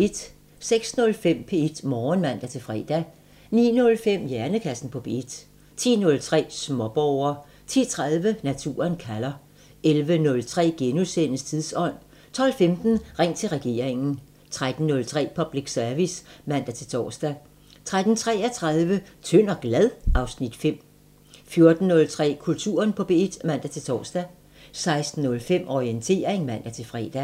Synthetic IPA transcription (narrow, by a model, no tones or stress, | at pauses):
ed̥ | seɡ̥snɔ̽lfem̰pʰe̝d̥mɒːnmæn̰d̥æt͡sʰe̝lfʁɛ̰ːd̥æ | nḭːnɔ̽lfem̰jæɐnəkʰæsn̩pʰɒ̽pʰe̝ed̥ | t͡sʰḭːnɔ̽lt͡sʰʁɛ̰ːsmɒ̽b̥ɒʊɐ | t͡sʰḭːt͡sʰʁaðˠʋənæt͡sʰṵːɐnkʰælɐ | elʋənɔ̽lt͡sʰʁɛ̰ːɡ̥enusen̰əst͡sʰiðˠsɒ̽n̰ | t͡sʰɒ̽l̰femd̥n̩ʁɛŋ̰t͡sʰe̝lʁɛɡ̥e̝̰ːɐeŋn̩ | t͡sʰʁad̥n̩ːɔ̽lt͡sʰʁɛ̰ːpʰɒ̽b̥liɡ̥sœɐʋismæn̰d̥æt͡sʰe̝lt͡sʰɒ̰ːsd̥æ | t͡sʰʁad̥n̩t͡sʰʁɛ̰ːɐt͡sʰʁäð̞ˠʋət͡sʰøn̰ɒɡ̥læð̞ˠʔɑ̈ʊsnid̥fem̰ | fjo̝ɐd̥n̩ːɔ̽lt͡sʰʁɛ̰ːkʰult͡sʰṵːɐnpʰɒ̽b̥e̝id̥mæn̰d̥æt͡sʰe̝lt͡sʰɒ̰ːsd̥æ | sɑ̈ɪsd̥n̩ːɔ̽lfem̰ʔɒient͡sʰe̝̰ːɐeŋmæn̰d̥æt͡sʰe̝lfʁɛ̰ːd̥æ